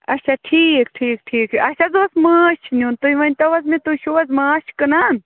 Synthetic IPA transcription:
ɐt͡ʃʰaʈʰiːkʈʰiːk̚ʈʰiːkɐt͡ʃʰazoːsməːʃʰniunt̪uiʋɐnʲt̪ɐʋɐzmẽt̪uʃuʋɐzmaːʃkɨnan

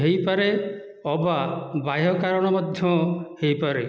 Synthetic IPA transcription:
ɦejpaɾe | ɔbabajɔkaɾɔɽ̃ɔmɔd̪ʱjɔhejpaɾe

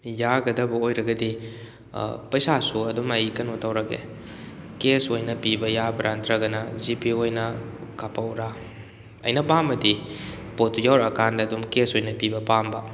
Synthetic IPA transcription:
jaɡɐdɐbɐojɾɐɡɐdḭ | pɐjsasuɐdumɐjkɐnutɐwɾɐɡḛ | kesojnɐpibɐjabɐɾʔantɾɐɡɐnɐzipiojnɐkapɐwɾa | ɐ̰jnɐpamɐdi | potujawɾɐkandɐːdumkesojnɐpibɐpambɐ

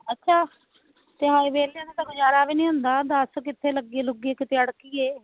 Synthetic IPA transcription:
ətːʃʰaː | t̪eːɦaːiːʋeːlənaːt̪aːɡʊd͡ʒaːɾaːbiːnĩːɦõːnd̪aːd̪əskɪt̪ʰːeːləɡieːlʊɡieːkɪt̪ʰeːəɽkiːeː

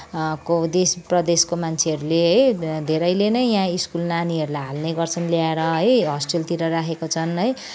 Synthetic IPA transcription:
kod̪esprʌd̪eskomant͡sʰeɦʌɾuleɦʌjd̪ʱeɾʌjlenʌjjãiskulnaniʌɾulajɦalneɡʌrt͡sʰʌnljaeɾʌɦʌjɦʌsʈrelt̪iɾʌɾakʰekot͡sʰʌnʌj

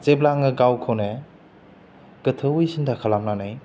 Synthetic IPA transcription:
t͡ʃeblaŋɯɡawkʰowne | ɡ̥ɯtʰəujsindakʰalamnanaj

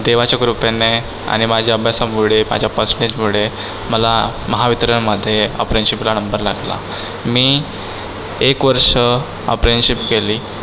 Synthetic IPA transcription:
d̪eʋ̤at͡ɕakɾupene | a̰ɽ̃imad͡ʑʱjaəbʱjasamuɭema̰d͡ʑʱjapəsɳet͡smuɭe | məlaməɦaʋit̪ɾəɳməd̪ʱːjeə̰pɾenɕiplanəmbəɾlaɡla̰ | miː | ekʋəɾʂə | ə̰pɾenɕipkeliː

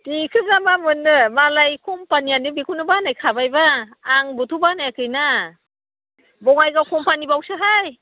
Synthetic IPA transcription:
tikʰɯb̚zamamɯnːɯmalajkʰumpanijanibikʰunɯbanajkʰabajbaːŋbɔtʰubanajakʰɯjna | bɔŋajɡawkʰɔmpanibawsɯɦaj

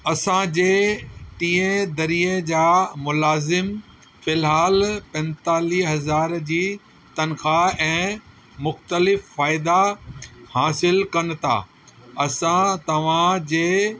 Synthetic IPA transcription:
ɐsãd͡ʑeːʈĩːẽd̪ɐɾiːed͡ʑaːmʊlaːzɪm | fɪlɦaːlpɛ̃nt̪aːliːɦɐzaːɾd͡ʑiː | t̪ɐnxaɛ̃ː | mʊxt̪əlɪfːaːɪd̪a | haːsɪlkɐnɪ̆t̪ʰa̰ː | ɐsãt̪ɐʋ̤ãd͡ʑeː

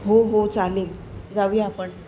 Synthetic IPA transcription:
ɦoɦot͡saleld͡zaʋiapəɳ

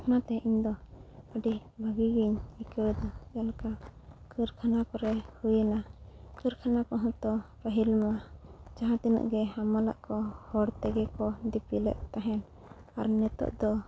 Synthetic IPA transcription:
ɔnat̪ɛʔiɲd̪ɔəɖibʱəɡiɡiɲikəɾd̪ɔjalkakəɾkʰanakɔɾɛhujənakʰəɾkʰanakɔɦɔ̃t̪ɔpəɦilmad͡ʒaɦãt̪ɛnṵʔɡɛhamala̰ʔkɔhɔɽt̪ɛɡɛkɔd̪ipilɛ̰ʔ̪̚t̪aɦɛn | aɾnɛt̪ɔ̰ʔd̪ɔ

